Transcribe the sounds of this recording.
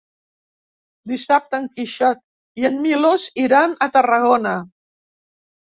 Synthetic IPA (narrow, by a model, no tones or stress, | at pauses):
d̪isap̚t̪aŋkiʃat̪̚ | iənmiloziɾanət̪ərəɣ̞ona